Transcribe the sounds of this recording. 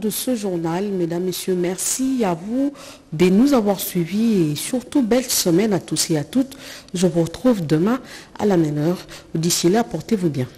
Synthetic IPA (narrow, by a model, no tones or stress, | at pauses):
d̪əsəʒuʁnalmed̪amːesjømɛʁsiavu | d̪enuzavwaʁsɥiviesyʁt̪ubɛlsəmɛnat̪useat̪ut̪ʒəvuʁət̪χuvd̪əmɛ̃a̰lamɛmœʁd̪isjilapɔʁt̪evubjɛ̃